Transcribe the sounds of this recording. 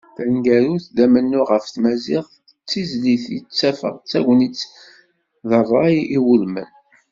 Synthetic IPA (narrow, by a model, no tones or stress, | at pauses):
θænɡæɾuθd̪æmənːʊʁəfθmæziʁ | t͡sːizliθit͡sːæfə̰ʁt͡sːæʝnit͡sː | ðərˤɑjiwulmə̰n